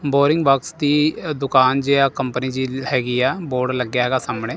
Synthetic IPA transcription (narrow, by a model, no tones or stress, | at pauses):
boːɾɪŋɡbaːksd̪iːd̪ʊkaːnd͡ʒeːaːkəmpəniːd͡ʒiːhɛːɡiːɛːboːɾɖləɡjaːɦɛːɡaːsamɳeː